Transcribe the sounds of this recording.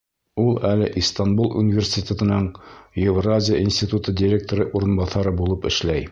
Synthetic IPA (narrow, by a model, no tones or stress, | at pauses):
ulˠælɘʔist̪anbulˠʔṵnʲɪvʲerʲsʲt̪ʲɪt̪ʲet̪ɤ̆nɤɴjɪvrazʲɪjaʔinsʲt̪ʲit̪ut̪ɤdʲɪɾʲek̚t̪oɾɤʔuɾɤ̆nbɑθɑɾɤbulˠɤpɘ̰̆ʃlæj